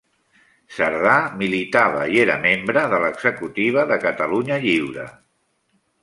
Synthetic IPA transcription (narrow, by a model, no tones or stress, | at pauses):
səɾðamilit̪aβ̞əieɾə̰membɾəðələɡz̥əkut̪iβ̞əðəkət̪əluɲəʎiwɾə̰